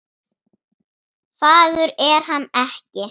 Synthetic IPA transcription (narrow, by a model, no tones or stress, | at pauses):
faːðʏɾɛɾ̥ɦanːɛhcɪ